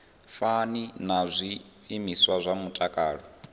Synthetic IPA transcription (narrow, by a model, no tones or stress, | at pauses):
faninazʷiː | miswazʷamutʼakʼaːɺɔ